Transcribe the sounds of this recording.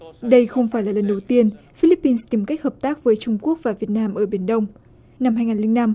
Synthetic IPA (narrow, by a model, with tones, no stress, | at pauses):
ɗə˧jxə˧wŋ͡mfaː˧˩jlaː˨˩lə˨˩nɗə˨˩wt̪i˧ən | fi˧li˦˥pːi˧nst̪i˨˩mka˦˥k̟̚həː˨˩p̚t̪aː˦˥k̚vəː˨˦jt͡ɕʊ˧ŋ͡mku˦˥ək̚vaː˨˩vi˨˩ət̚naː˧mʔəː˧˩ɓi˧˩ənɗə˧wŋ͡m | na˧mɦaː˧jŋaː˨˩nlï˧ŋna˧m